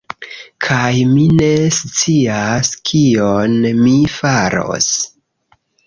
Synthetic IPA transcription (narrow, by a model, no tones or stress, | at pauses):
kʰajmine̞st͡siaskʰionmifaɾo̞̰s